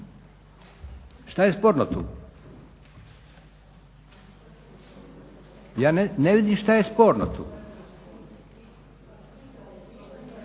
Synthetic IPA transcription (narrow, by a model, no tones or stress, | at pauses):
ʃt̪ajespoːɾnot̪ṵː | jaːnneʋid̪imʃt̪ajespoːɾnot̪ʰṵː